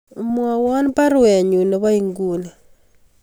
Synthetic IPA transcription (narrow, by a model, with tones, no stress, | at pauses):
mwa˨wa˦n˦pa˦ɾwe˨ɲu˨ne˨βa˦jiŋɡuːna˨